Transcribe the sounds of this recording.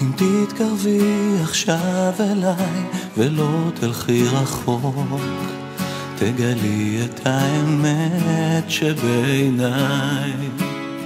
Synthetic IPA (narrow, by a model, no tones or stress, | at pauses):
imt̪it̪kaʁviaχʃavelajvelo̞t̪ʰilχiʁaχo̞k | t̪ʰeɡaliet̪ʰhaemet̪ʃebejnaj